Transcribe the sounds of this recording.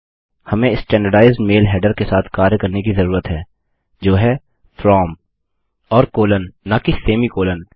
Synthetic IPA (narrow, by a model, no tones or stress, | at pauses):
hɐmẽɪsʈɛ̃ːɳɖəɖaːɪzɖmeːlɦɛːɖəɾkesaːt̪ʰkaːɾjəkɐɾnekizɐɾuːɾət̪ɦɛː | d͡ʒoːɦɛ | fɾɔːm | ɔːɾkoːlənːakɪseːmikoːlən